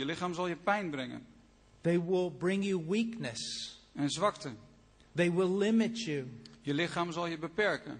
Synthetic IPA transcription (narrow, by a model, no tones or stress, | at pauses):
jəlɪχaːmzɑlˠjəpɛjnbrɛŋə̰n | ðeɪwɪlˠbɹɪ̃ŋjɨwiknɨsɛnzʋɑktə | ðeɪwɪlˠlɪmɨt͡ʃʉjəlɪχaːmzɑlˠjəbəpɛɹkə̰n